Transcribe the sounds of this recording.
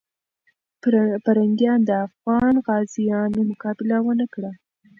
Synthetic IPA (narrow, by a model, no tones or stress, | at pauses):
paɾaŋɡjɑnd̪əafɣɑnɣɑzijɑnomʊkɑbɪlawənəkɽa